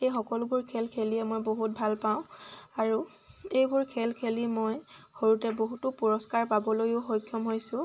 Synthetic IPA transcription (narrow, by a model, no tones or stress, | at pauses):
xejxɔkɔlʊbuɹkʰelkʰeliɛmojboɦut̚bʱalpaʊ̃aɹu | ejbuɹkʰelkʰelimojxoɹutɛboɦutʊpuɹɔskaɹpabɔlojʊxoɹjkʰjɔmɦojsʊ̃